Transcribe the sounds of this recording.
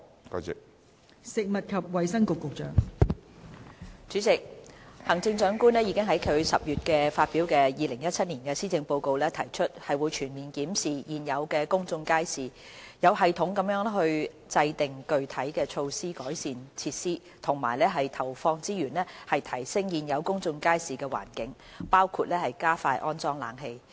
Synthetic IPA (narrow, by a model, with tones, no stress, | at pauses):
ka̰˧t͡sɪ˨k̚ | sɪ˨k̚mɐ˨t̚kʰɐ˨p̚wɐ˨jsɐ˥ŋkʊ˨kːʊ˨k̚t͡ʃœː˨ŋ | t͡ʃyː˨˥t͡sɪ˨k̚hɐ˨˩ŋt͡sɪ˧ŋt͡ʃœː˨˥ŋkuː˥nlɛː˥ji˨˧kɪ˥ŋɦɐ˨˥jkʰɵ˨˧ɥsɐ˨p̚jyː˨t̚kɛː˧faː˧t̚piː˨˥wkɛː˧jiː˨˧lɪ˨˩ŋjɐ˥t̚t͡sʰɐ˥t̚niː˨˩nkɛː˧siː˥t͡sɪ˧ŋpo˧wko˧wlɛː˥t̪ʰɐ˨˩jt͡ʃʰɵ˥t̚hɐ˨jwu˨˧jt͡ʃʰyː˨˩nmiː˨˩nkiː˨˥msiː˨jiː˨njɐ˨˧wkɛː˧kʊ˥ŋt͡sʊ˧ŋkaː˥jsiː˨˩ | jɐ˨˧wɦɐ˨jt̪ʰʊ˨˥ŋkɐ˨˥mjœː˨˥ŋɦɵ˧ɥ | t͡sɐ˧jt̪ɪ˨˩ŋkɵ˨˧ɥt̪ʰɐ˨˥jkɛː˧t͡ʃʰo˧wsiː˥kɔː˨˥jsiː˨nt͡sʰiː˧t̚siː˥ | t̪ʰʊ˨˩ŋma̰ː˨˩jlɛː˥ɦɐ˨jt̪ʰɐ˨˩wfɔː˧ŋt͡siː˥jyː˨˩nlɛː˥hɐ˨jt̪ʰɐ˨˩jsɪ˥ŋjiː˨˧njɐ˨˧wkʊ˥ŋt͡sʊ˧ŋkaː˥jsiː˨˩kɛː˧wa̰ː˨˩nkɪ˨˥ŋ | paː˥wkʰuː˧t̚lɛː˥hɐ˨jkaː˥faː˧jʔɔ̰ː˥nt͡sɔː˥ŋla̰ː˨˧ŋɦe˧j